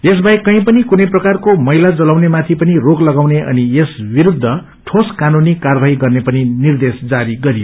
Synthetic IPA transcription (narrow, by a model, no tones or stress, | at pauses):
esbʱaikʌĩpʌnikunʌjprʌkarkomʌɦilad͡zʌlawnemat̪ʰipʌniroɡlʌɡawneʔʌ̰niesbiɾud̪ʱːʌ | ʈʰoskanunikarbʱaɦiɡʌrnepʌninird̪esd͡zaɾiɡʌɾijo